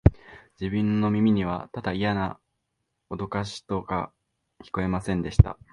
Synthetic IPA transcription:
d͡ʑibɯ̟̃nːo̞mʲimʲiɲ̟iβ̞at̪ad̪aijana | o̞d̪o̞kaɕi̥t̪o̞ka̰ | kʲi̥ko̞e̞masẽ̞nd̪e̞ɕi̥t̪a̰

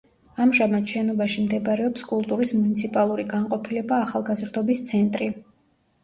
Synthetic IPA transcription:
amʒamat̪ʃɛnɔbaʃimd̪ɛbɾɛɔpskʼulˠt̪ʼuɾismunit̪sʰipʼalˠuɾiɡaɴqʼɔpʰilɛbaːχalˠɡazɾd̪ɔbist̪sʰɛnt̪ʼɾi

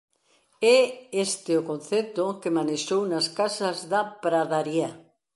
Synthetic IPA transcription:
ɛest̪eokon̟θet̪okemaneʃownaskasazðapɾaðaɾja

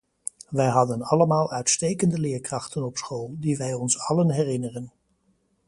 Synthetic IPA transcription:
ʋɛjɦɑdənɑləmaːlˠœɥtstejkəndəlɪːɹkrɑχtənɔpsχoːlˠdiʋɛjɔnsɑlənɦɛrɪnərən

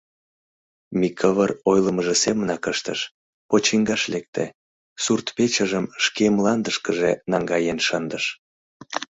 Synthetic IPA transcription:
mikʰəβərojləməʒesemənɑkəʃt̪ə̰ʃ | pot͡ɕiŋɡɑʃlek̚t̪ḛ | surt̪pet͡ɕəʒəmʃkemlɑnd̪əʃkəʒenɑŋɡɑjenʃənd̪əʃ

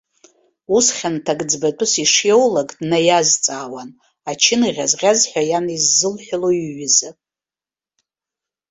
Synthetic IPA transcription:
usχʲantʰaɡʼd͡zbatʷʼʊsiʂjowlaɡʼdnajazt͡sʼaːwan | at͡ʃʰɪniʁʲazʁʲazħʷᶣajanizːɨlħʷᶣaloiɥɪzɨ

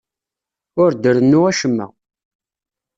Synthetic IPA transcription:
ʊɾd̪əɾənːuæʃəmːæ̰

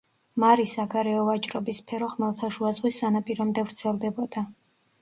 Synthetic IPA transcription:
maɾisaɡaɾɛɔvat͡ʃʼɾɔbispʰɛɾɔχmɛlˠt̪ʰaʃuazʁwisːanapʼiɾɔmd̪ɛvɾt̪sʰɛlˠd̪ɛbɔd̪̥a

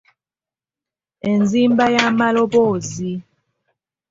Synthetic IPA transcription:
enzimbajamalobozi

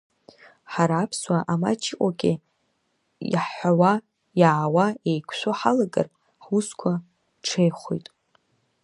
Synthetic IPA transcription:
ħaɾaːpʰswaʔama̰t͡ʃʰkʷʼaɡʲʼɪ | ħħʷawa | jaʕwaejkʷʰʃʷoħalaɡɨ̰r | ħuskʷʰa | ʈ͡ʂʰejχʷo̰jtʼ

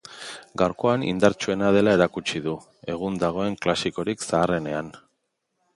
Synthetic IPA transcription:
ɡawɾko̞anḭnd̪aɾt͡ʃue̞naðe̞lae̞ɾakut͡ʃiðu | e̞ɣ̞und̪aɣ̞o̞e̞ŋklasiko̞ɾiksaːre̞ne̞an

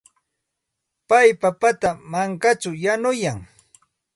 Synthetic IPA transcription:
pajpapat̪amaŋkat͡ʃʊjanʊjaŋ

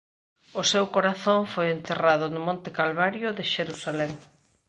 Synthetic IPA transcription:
ʊsewkoɾaθoɱfojent̪eraðʊnʊmõnt̪ɪkalβaɾjʊðɪʃeɾusalɛŋ

